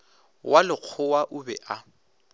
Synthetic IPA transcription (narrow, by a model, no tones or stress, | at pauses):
wʔalɪq͡χʰʊwaʔʊbɛʔa